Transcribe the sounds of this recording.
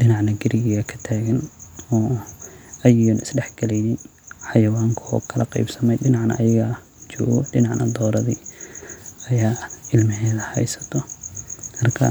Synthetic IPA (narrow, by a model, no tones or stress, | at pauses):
ɖɪnɑʕnɐɡɪɾɪɣɪɣɐkʰɐ̥t̪ʰaːɣɐnɔː | ɐjʊnʔɪsɖɛħɡ̥ɐlɛjnɪn | ħɑjɐwaːŋkʰɔ̰ːkʰɐlɐqɛ̰jbsɐmɛjɖɪnɑʕnɐ̰ʔːjɐɣɐ | t͡ʃɔ̰ːɣɔɖɪnɑʕnɐ̰d̪ɔːɾɐðḭː | ɐjaːɪlmɪɦɛːðɐhɛ̰jsɐ̥t̪ʰɔ | mɐrkʰɐ̰